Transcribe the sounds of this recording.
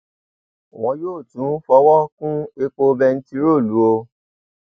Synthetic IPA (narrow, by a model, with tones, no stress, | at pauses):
w̃ɔ̃˧˦joː˦˨tũ˨˦fɔ˧wɔ˦kũ˦e˧k͡po˧bɛ˧n̩˦ti˧ɾo˦˨lu˨˦o˧